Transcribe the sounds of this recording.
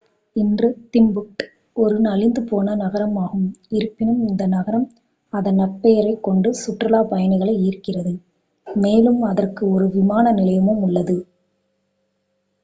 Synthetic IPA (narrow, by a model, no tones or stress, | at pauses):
ɪndrɯt̪ɪmbʊk̚ʈ | ɔɾɯnɐlɪnd̪ɯpoːnɐnɐɣɐɾɐmaːɣɯmɪɾɯpːɪnɯmɪnd̪ɐnɐɣɐɾɐm | ɐðɐnɐʈpːɐjɐɾɐɪkːɔɳɖɯsʊʈrɯlaːpɐjɐnɯɣɐɭɐɪiːɾkɪrɐðɯ | meːlɯmɐðɐrkɯɔɾɯʋɪmaːnɐnɪlɐjɐmɯmʊɭːɐðɯ